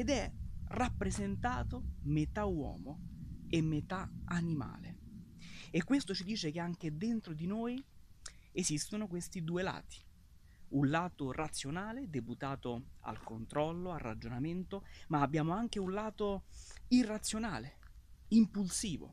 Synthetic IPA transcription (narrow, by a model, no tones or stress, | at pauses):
ed̪ɛrapːɾezent̪aːt̪omet̪awɔ̰ːmoemːet̪aanima̰ːle | ekːwest̪ot͡ʃid̪iːt͡ʃekeaŋk̟ed̪ent̪ɾod̪inoːj | ezist̪onokwest̪id̪uːela̰ːt̪i̥ | unlaːt̪orat̪sːjonaːled̪eput̪aːt̪oa̰lkont̪ɾɔlːoarːa̰d͡ʒonament̪omaːbːjaːmoaŋk̟eunlaːt̪oirat̪sːjonaːle | impulsiːvo̰